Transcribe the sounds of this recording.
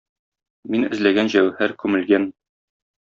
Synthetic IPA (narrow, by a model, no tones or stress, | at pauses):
minɘ̰̆zlæɡænʑæwhæɾkʉmɘ̆lɡæn